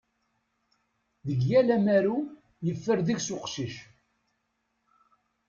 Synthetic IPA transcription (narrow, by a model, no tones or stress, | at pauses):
ðəɡjælæmæɾu | jəfːəɾðiʝsʊqʃiʃ